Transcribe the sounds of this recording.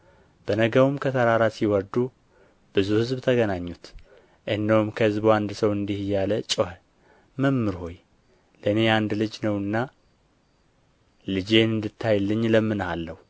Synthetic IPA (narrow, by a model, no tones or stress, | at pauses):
b̥ənəɡəwumkʰət̪ʰəɾaɾasiwɔd̪u | b̥ɨzuhɨzbt̪ʰəɡənaɲːut̪ | ʔɨhɨnːəwumkʰəhɨzbuand̪səwɨnd̪ihjalət͡ʃʼoh | məmːɨɾho̞j | ləɨne̞and̪lɨd͡ʒnəwɨnːa | lɨd͡ʒe̞nɨnd̪ɨt̪ʰːajlːɨɲːləmːɨnhalːəwu